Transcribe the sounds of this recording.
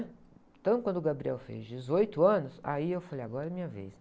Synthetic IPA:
t̪ɐ̃kwɐ̃nd̪ʊɡabɾiɛ̰wfḛzd͡ʒɪzojt̪ʊɐ̃nʊsa̰iewfalejaɡɔɾɐmĩɲɐvḛs

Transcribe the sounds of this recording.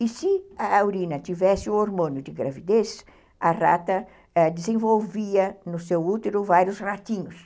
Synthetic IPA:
isɪɐawɾĩnɐt̪ivɛsɪʊoɾmõnʊd̪ɪɡɾavid̪es | ɐra̰t̪ɐ | d̪ɪzẽvowviɐnʊsewut̪eɾʊvaɾjʊsrat̪ĩɲʊs

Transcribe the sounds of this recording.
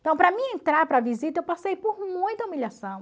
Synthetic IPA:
t̪ɐ̃w̃pɾɐmĩẽnt̪ɾaɾpɾɐvizit̪ɐewpasejpoɾmũj̃t̪ɐumiʎasɐ̃w̃

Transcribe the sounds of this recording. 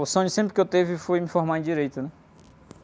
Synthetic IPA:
sõɲʊsẽmpɾɪkewt̪evɪfojmĩfɔɦmaĩd͡ʒiɾejt̪ʊnɛ

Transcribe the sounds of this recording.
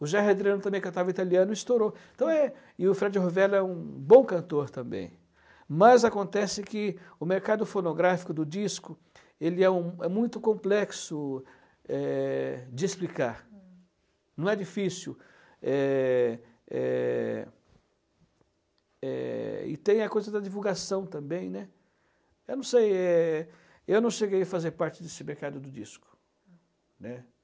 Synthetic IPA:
ʊʒaɦed̪ɾiɐ̃nʊt̪ɐ̃mẽj̃kɐ̃t̪avɐit̪aliɐ̃nʊist̪oɾoẽt̪ɐ̃w̃ɛ | ɪʊfɾad͡ʒɪhovɛlɛũbõw̃kɐ̃nt̪oɾt̪ɐ̃mbḛ̃j̃ | mɐzakõnt̪ɛsɪkɪʊmeɾkad̪ʊfonoɡɾafi̥kʊd̪ʊd͡ʒiskʊ | elɪɛũɛmũj̃t̪ʊkõmplɛksʊ | ɛd͡ʒɪesplikaɾ | nɐ̃w̃ɛd͡ʒifisu | ɛ | ɛ̰ | ɛ̰ɪ̰t̪ẽj̃ɐkojzɐd̪ɐd͡ʒivulɡasɐ̃w̃t̪ɐ̃mbẽj̃nɛ | ewnɐ̃w̃sejɛ | ewnɐ̃w̃ʃeɡejɐfazeɾpaɾt͡ʃɪd̪esɪmeɾkad̪ʊd̪ʊd͡ʒ̪iskʊ̥ | nɛ

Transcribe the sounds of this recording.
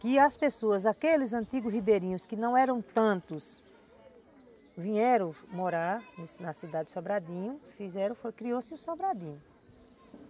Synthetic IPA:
kɪɐspesoɐzakelɪzɐ̃nt̪iɡʊhibeɾĩɲʊskɪnɐ̃w̃ɛɾɐ̃w̃t̪ɐ̃nt̪ʊs | vĩɲɛɾɐ̃w̃moɾaɾnsnɐsid̪ad̪ɪsobɾad̪ĩɲʊfizɛɾɐ̃okɾiosɪũsobɾad̪ĩɲʊ

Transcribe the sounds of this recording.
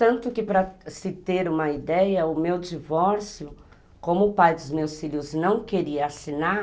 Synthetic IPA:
t̪ɐ̃nt̪ʊkɪpɾɐsɪt̪eɾũmɐid̪ɛjɐʊmewd͡ʒivɔɾsjʊ | kõmʊpajd̪ʊzmewsfiʎʲʊznɐ̃w̃keɾiɐːsina

